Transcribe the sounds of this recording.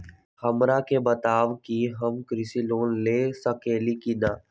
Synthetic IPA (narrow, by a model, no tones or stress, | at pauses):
həmɾaːkeːbət̪aːʋkiɦəmkɾɪsiːloːnleːsəkeːliːkinãː